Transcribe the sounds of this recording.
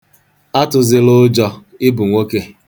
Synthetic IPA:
a˦tʊ˨zɪ˦lʊ˦d͡ʒɔ˦˧ɪ˦bu˨ŋʷo˦ke˦

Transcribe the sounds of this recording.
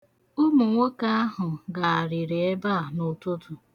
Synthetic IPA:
ʊ˦mu˨ŋʷo˦ka˦a˦ɦʊ˨ɡa˨a˨ɾɪ˨ɾe˨e˦ba˦˨nʊ˨tʊ˦tʊ˨

